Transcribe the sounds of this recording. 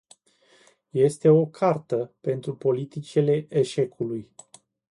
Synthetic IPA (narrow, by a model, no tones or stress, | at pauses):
je̞st̪e̞o̞kʰart̪əpe̞nt̪ɾupo̞lit̪it͡ʃele̞ʔeʃe̞kʰuluj